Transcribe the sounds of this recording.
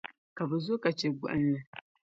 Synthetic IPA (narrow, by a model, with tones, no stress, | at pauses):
ka˨bɛ˨zʊ˦ka˨t͡ʃɛ˨ɡʊ̰˨ʔɨ˦nːɨ˨